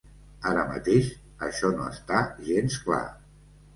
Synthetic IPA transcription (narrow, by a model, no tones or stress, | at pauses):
aɾəmə̰t̪eʃ | əʃɔnoə̰st̪aʒenskla̰